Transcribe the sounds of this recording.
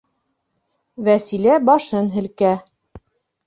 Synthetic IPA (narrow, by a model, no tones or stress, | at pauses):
væsilæbɑʃɤnɦɘ̆lkæ